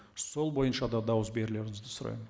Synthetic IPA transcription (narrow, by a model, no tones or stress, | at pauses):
so̞lˠbo̞jənʃɑd̪ɑd̪ɑwəzbe̞ɾɪle̞ɾɪŋɪzd̪ɪsʊɾɑ̰jən